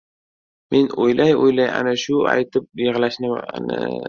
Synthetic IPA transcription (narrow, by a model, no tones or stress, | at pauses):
mʔe̞nojlʔajojlaja̰naʃʊa̰jt̪ʰɪp̚jɪʁlaʃnɪ̰nɪ̰